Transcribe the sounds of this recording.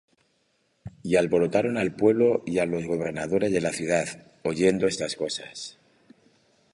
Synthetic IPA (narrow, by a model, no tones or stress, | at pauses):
ialβo̞ɾo̞t̪aɾo̞nalpwe̞β̞lo̞ialo̞zɣo̞β̞e̞ɾnað̞o̞ɾe̞zðe̞laθjuðað | o̞ʝe̞nd̪o̞e̞st̪asko̞sas